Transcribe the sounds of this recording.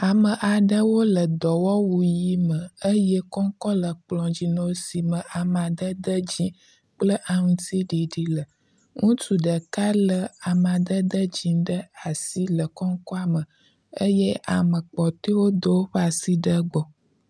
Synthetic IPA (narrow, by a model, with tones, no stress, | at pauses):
a˨mə˨ʔa˨ɖə˦wo˦lə˨d̪ɔ˨wɔ˦wu˨ji˦mə˨ə˦je˦kɔ˦ŋ˦kɔ˦lə˨k͡plɔ̃˨d͡ʑi˨nõ˨˦si˨mə˨ʔa˨mã˨d̪ə˦d̪ə˦d͡ʑĩ˦ | k͡plə˦ʔa˨ŋũ˦t̪i˦ɖi˨ɖi˦lə˨ | ŋũ˦tu˨ɖə˨ka˦lə˨a˨mã˨d̪ə˦d̪ə˦d͡ʑĩ˨ɖə˦a˨si˦lə˨kɔ˦ŋkɔ˦a˨mə˨ | ə˦je˦ʔa˨mə˨k͡pɔ˨t̪e˦wo˦d̪ə˦wo˦ɸa˨si˦ɖə˦ɡ͡bɔ˨